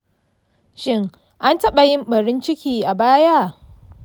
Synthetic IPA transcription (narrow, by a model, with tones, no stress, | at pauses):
ʃɪ˦ŋ | ʔa˦ntɐ˦ɓa˨jɪ˦mɓɐ˨ɽɪ˦nt͡ʃɪ˦kʲiː˨ʔa˨baː˦ja˦˨ʔ